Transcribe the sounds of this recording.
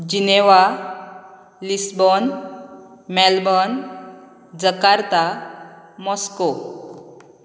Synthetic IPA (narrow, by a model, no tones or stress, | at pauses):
d͡ʑineʋa | lisbɔn | mɛlbɔn | d͡zəkaɾt̪a | mɔsko